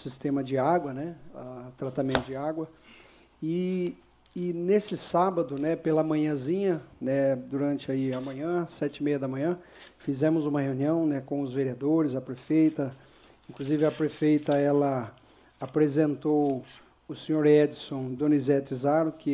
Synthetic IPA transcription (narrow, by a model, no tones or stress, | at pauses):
sist̪ẽmɐd͡ʒɪaɡwɐnɛat̪ɾat̪amẽnt̪ʊd͡ʒɪaɡwɐ | ɪː | nesɪsabɐd̪ʊnɛpelɐmɐ̃ɲɐ̃zĩɲɐnɛd̪uɾɐ̃nt͡ʃɪaiɐmɐ̃ɲɐ̃sɛt͡ʃɪmejɐd̪ɐmɐ̃ɲɐ̃ | fizẽmʊzũmɐheũniɐ̃w̃nɛkõw̃ʊzveɾiad̪oɾɪzɐpɾefejt̪ɐ | ĩŋkluzivɪɐpɾefejt̪ɐɛlɐ | apɾezẽnt̪ow | ʊsẽɲoɾɛd͡ʒ̪ɪsõd̪õnizɛt̪ɪzaɾʊkɪ